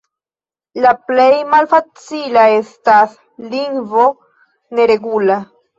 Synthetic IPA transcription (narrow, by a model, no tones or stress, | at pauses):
laple̞jmalfat͡silaestas | liŋvo̞ | ne̞ɾe̞ɡula